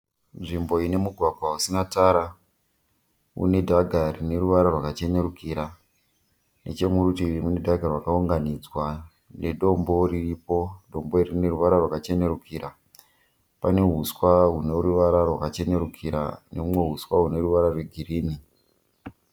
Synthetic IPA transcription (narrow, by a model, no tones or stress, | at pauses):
nʐimbo̞ine̞muɡʱwaɡʱwausinataɾa | ṵne̞dʱaɡʱarine̞ɾuʋaɾarwakat͡ʃe̞ne̞ɾukiɾa | ne̞̰t͡ʃe̞muɾutiimune̞dʱaɡʱarwakauŋɡanid͡zwa | neɗo̞mbo̞riripo̞ɗo̞mbo̞irine̞ruʋaɾarwakat͡ʃe̞ne̞rukʰiːɾa | pane̞ɦuswaɦune̞ruʋaɾarwakat͡ʃe̞ne̞ɾukʰiɾa̰neumwe̞ɦuswaɦune̞ruʋaɾarwe̞ɡʱiriːni